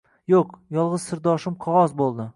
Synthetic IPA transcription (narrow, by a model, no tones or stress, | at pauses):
joqjɒlˠʁɨz̥sɪɾd̪ɒʃɪmqʰɒʁɒzbolˠd̪ɪ